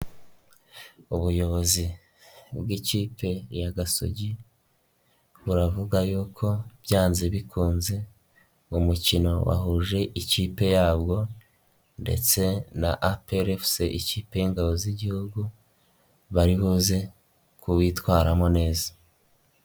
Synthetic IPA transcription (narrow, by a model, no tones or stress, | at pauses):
uβujo̞βo̞zi | bwiciːpʰe̞jaɡaso̞̰ɟi | βuɾavuɡajuːkʰo̞b̥jaːnzeβikuːnze̞ | umucino̞wa̰huːʒe̞ʔiciːpe̞jaːbɡo̞ | nde̞̰t͡se̞na̰ʔapeɾefseʔiciːpe̞jiŋɡaβo̞ziɟihuɡu | βaɾiβuze̞ | kuβitwaːɾamo̞ne̞ːzḁ